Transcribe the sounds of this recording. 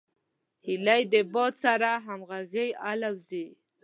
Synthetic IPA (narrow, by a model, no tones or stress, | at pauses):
hilajd̪əbɔd̪saɾaɦamɣaɣəjalawzi